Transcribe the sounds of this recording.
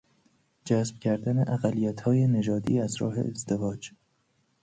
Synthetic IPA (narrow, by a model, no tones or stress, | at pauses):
d͡ʒæːsb̥cʰæɾd̪æneʔæɣælːijæt̪ʰhɒːjene̞d͡ʒɒːd̪iːæzɾɒ̰ːɦe̞̰ʔezd̪e̞vɒːd͡ʒ